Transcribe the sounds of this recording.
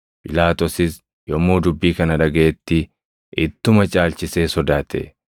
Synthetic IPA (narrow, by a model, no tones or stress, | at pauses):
pʼɪlaːt̪ɔsɪs | jɔmːoːd̪ʊbːiːkɐnɐᶑɐɡɐʔɛt̪ːɪ | ʔɪt̪ːʊmɐt͡ʃʼaːlt͡ʃɪseːsɔd̪aːt̪ʰḛ